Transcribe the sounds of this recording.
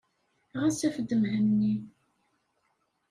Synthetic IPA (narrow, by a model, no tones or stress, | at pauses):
ʁæsæfəd̪ːəmhəmni